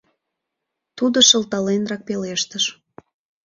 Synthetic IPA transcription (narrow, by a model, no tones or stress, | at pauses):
t̪ud̪əʃəlt̪ɑlenrɑk̚peleʃt̪əʃ